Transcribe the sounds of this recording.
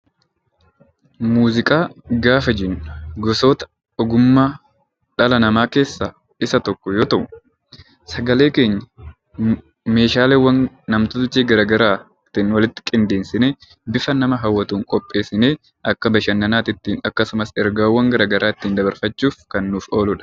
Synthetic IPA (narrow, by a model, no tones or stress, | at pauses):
muːzɪkʼaːɡaːfɐd͡ʒɪnːʊɡɔso̞ːt̪ɐ̥ | ɔɡʊmːaː | ᶑɐlɐnɐmaːke̞ːsːaː | ɪsɐt̪ɔkːɔjoːt̪ɐʔʊ | sɐɡɐle̞ːke̞ːɲːɐ | me̞ːʃaːleːwːɐnː | ɐmt̪ʊt̪ʊt͡ʃːiːɡɐɾɐɡɐɾaː | t̪ɪnwɐlɪt̪ːɪ̥kʼɪnd̪eːnsɪneː | bɪfɐnɐmɐɦɐwːɐt̪uːŋkʼɔpʼːe̞ːsɪneː | ʔɐkːɐbɐʃɐnːɐnaːt̪ɪt̪ːiːnɐkːɐsʊmɐsɛɾɡaːwːɐŋɡɐɾɐɡɐɾʔaːɪt̪ːiːnd̪ɐbɐɾfɐt͡ʃːuːfkɐnːuːfo̞ːlʊᶑɐ̥